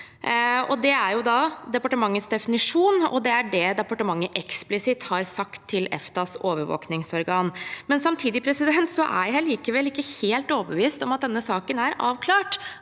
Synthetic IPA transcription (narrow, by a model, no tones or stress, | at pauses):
ɔd̪ɛæɾjʊd̪ɑd̪ɛpɑʈəmɑŋːəsd̪ɛfɪnɪʂuːnɔ̰d̪ɛæɖɛd̪ɛpɑʈəmɑŋːəʔɛksplɪsɪt̪hɑɾsɑkt̪ʰːɪlɛ̰ft̪ɑsoːʋəɾʋo̰ːknɪŋsɔɾɡɑːnmɛnsɑmt̪ʰiːd̪ɪpʰɾɛsɪd̪ɛnt̪sɔʔæ̰ɾhæɪliːkəʋɛlːɪkːəheːlt̪ɔːbəʋiːst̪ɔmɑt̪̚d̪ɛnːəsɑːkənæɾɑːʋkʰlɑːʈ